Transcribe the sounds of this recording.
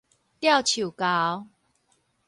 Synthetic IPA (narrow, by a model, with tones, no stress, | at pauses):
t̪ja˥˨wt͡ɕʰu˨˩ka˦w